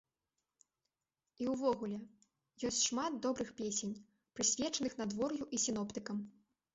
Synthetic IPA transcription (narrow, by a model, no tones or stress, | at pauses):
iwvɔɣulʲɛ | jɔsʲt͡sʲʂmad̪̚d̪ɔbɾɨxpʲesʲenʲ | pɾɨsʲvʲɛt͡ʂɐnɨxnad̪vɔrjuʔisʲin̪ɔpt̪ɨkɐm